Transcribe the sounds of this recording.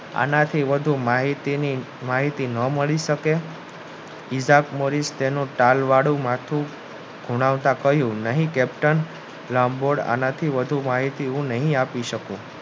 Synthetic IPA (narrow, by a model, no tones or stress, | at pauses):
a̰nat̪ʰiʋəd̪ʱumaɦit̪ini | maɦit̪inəməɭiʃəke | isakmoɾist̪enũʈalʋaɽumat̪ʰũ | ɡʱuɽ̃aʋt̪ãkəɦjũnəɦĩkɛp̚ʈən | lamboɽa̰nat̪ʰiʋəd̪ʱumaɦit̪iũnəɦĩapiʃəkũ